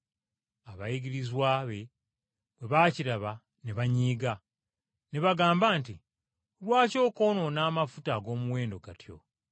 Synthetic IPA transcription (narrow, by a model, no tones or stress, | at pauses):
aβajiɡiɾizwaːβe̞ | βwe̞βaːciɾaβa | neβaɲiːɡa | neβaɡaːmbaːnti | lwaːco̞ːko̞no̞naːmafutaɡo̞ːmuwe̞ːndo̞ɡatʰjo̞̰